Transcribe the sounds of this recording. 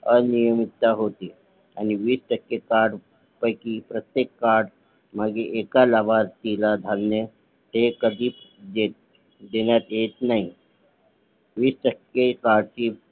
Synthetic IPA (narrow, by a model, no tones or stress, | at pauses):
ənijəmit̪ːaɦot̪iː | aniʋiːsʈəkːekaɾɽ | pəjkiːpɾət̪jekːaɾɽ | maɡeʔekalaʋaɾt̪ilad̪ʱalnə | t̪ekəd̪ʱiːdet̪ | d̪enjat̪jet̪naɦi | ʋiːsʈəkːekaɽt͡ɕiː